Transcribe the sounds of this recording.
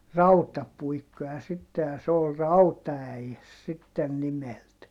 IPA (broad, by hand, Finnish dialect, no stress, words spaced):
rɑutɑpuikːojɑ sitːe jɑ s oːl rɑutɑæjes sitːen nimelt